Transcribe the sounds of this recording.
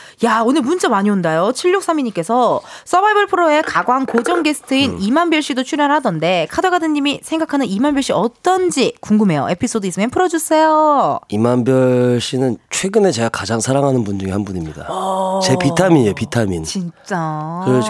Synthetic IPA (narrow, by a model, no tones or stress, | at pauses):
jaonɯɭmunt͡ɕ͈amaɲiondajot͡ɕʰiʎːok̚s͈amiɲik͈e̞sʰʌs͈ʌbaibɯɭpʰɯɾoe̞kaɡwankod͡ʑʌŋɡe̞sʰɯ̥tʰɯinimanbjʌɭɕ͈idot͡ɕʰuɾjʌnhadʌnde̞kʰadoɡadɯnɲːimisʰe̞ŋɡakʰanɯnimanbjʌɭɕ͈iʌt͈ʌnd͡ʑikuŋɡɯme̞jo̰e̞pʰis͈odɯis͈ɯmjʌnpʰɯɾʌd͡ʑus͈e̞joimanbjʌɭɕ͈inɯnt͡ɕʰwe̞ɡɯne̞t͡ɕe̞ɡakad͡ʑaŋsʰaɾaŋɦanɯnbundɯɡihanbuɲimɲida̰t͡ɕe̞pitʰamiɲopitʰamint͡ɕint͡ɕ͈akɯɾe